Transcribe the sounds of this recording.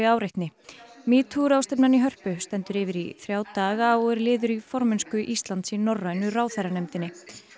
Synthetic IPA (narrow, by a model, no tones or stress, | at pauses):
ɪaːwɾɪht̪nɪmiːt̪ʰuɾawst̪ɛpnaniɦœr̥pʏst̪ɛn̪t̪ʏɾɪːvɪɾḭθɾjaːwt̪aːɣaɔɣɛɾlɪːðʏɾifɔɾmɛnskʏʔist̪lant̪sinɔrːajnʏraːwθajɾanɛmt̪ɪnːɪ